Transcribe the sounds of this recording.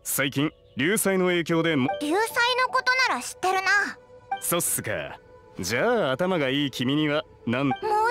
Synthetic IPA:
saikʲĩŋ | ɾʲɨːsaino̞e̞ːkʲo̞ːd̪e̞mɾʲɨːsaino̞ko̞t̪o̞naɾaɕi̥t̪ːe̞ɾɯ̟na | so̞sɨka̰ | d͡ʑaːt̪amaɡaiːkʲimʲiɲ̟iβa | nãnmoː

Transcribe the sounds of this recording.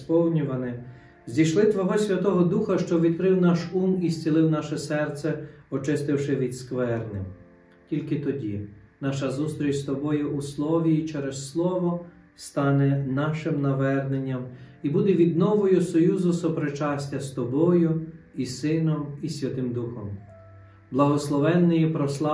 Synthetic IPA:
pɔwnʲʊʋɐnɪ | zʲd̪ʲijʃlˠɪt̪ʋɔɦɔsʲʋʲɐt̪ɔɦɔd̪uxɐʃt͡ʃɔʋʲid̪kɾɪwnɑʃumisʲt͡sʲilˠɪwnɑʃɛsɛrt̪sɛɔt͡ʃɪst̪ɪwʃɪʋʲid̪skʋɛrnɪ̰m | tʲilʲkɪt̪ɔdʲḭ | nɑʃɐzust̪ɾʲit͡ʃst̪ɔbɔjʊʔuslˠɔʋʲiːt͡ʃɛɾɛsːlˠɔʋɔ | st̪ɑnɛnɑʃɪmnɐʋɛrnenʲːɐmibud̪ɛʋʲid̪̚nɔʋɔjʊsɔjuzʊsɔpɾet͡ʃɑsʲtʲɐst̪ɔbɔjʊ | isɪnɔmisʲʋʲɐt̪ɪmd̪uxɔm | blˠɐɦɔslˠɔʋɛnːɪjipɾɔslˠɑ

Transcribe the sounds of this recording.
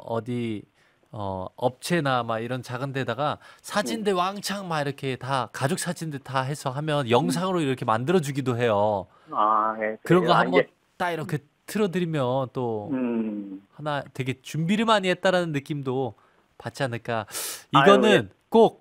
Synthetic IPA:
ʌ̰di | ʌ̰ʌp̚t͡ɕʰe̞namaiɾʌnt͡ɕaɡɯndedaɡasʰad͡ʑindewaŋt͡ɕʰaŋmaiɾʌkʰe̞takad͡ʑok̚s͈ad͡ʑindetaɦe̞sʰʌɦamjʌnjʌŋs̬ʰaŋɯɾoiɾʌkʰe̞mandɯɾʌd͡ʑuɡidoɦe̞jo | akɯɾʌnɡʌambʌnn | t͈aiɾʌkʰe̞ | tʰɯɾʌdɯɾimjʌnt͈o | hanatwe̞ɡe̞t͡ɕumbiɾɯmaɲiet̚t͈aɾanɯnːɯk͈imdo | pat͡ɕ͈ianɯɭk͈aiɡʌnɯn | k͈ok̚

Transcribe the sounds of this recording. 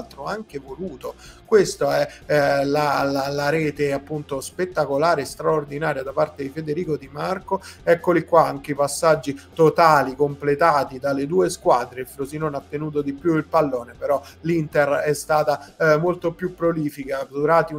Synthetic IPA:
lt̪ɾoaŋk̟evoluːt̪okwest̪oɛlalalaɾɛːt̪eapːunt̪ospet̪ːakolaːɾest̪ɾaord̪inaːɾjad̪apart̪ed̪ifed̪eɾiːkod̪imarkoɛkːolikwaaŋk̟eipasːad͡ʒːit̪ot̪aːlikomplet̪aːt̪id̪aled̪uːeskwaːd̪ɾefɾosinonat̪ːenuːt̪̬od̪ipjuilpalːoːnepeɾɔlint̪erɛst̪aːt̪amolt̪opjupːɾoliːfikad̪uɾaːt̪iu

